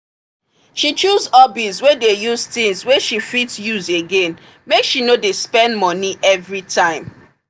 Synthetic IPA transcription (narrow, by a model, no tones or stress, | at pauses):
ʃit͡ʃuzɔbitswedejuztĩŋsweʃifitsjuzeɡẽn | mekʃinodespɛ̃ndmɔniʔɛvɹitʰãɪ̃m